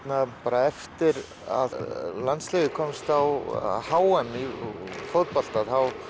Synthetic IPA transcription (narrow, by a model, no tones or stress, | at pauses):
t̪napaːɾaɛft̪ɪɾ | a̰ðlant̪sleːðɪkʰɔmst̪awhaːwɛmifowt̪pal̥t̪aðhaw